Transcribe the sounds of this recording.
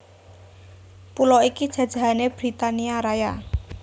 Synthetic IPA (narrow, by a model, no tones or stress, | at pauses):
pulɔikid̥ʒ̥ä̤̥ʒ̥a̤ɦaneb̥ɾit̪aniaɾaja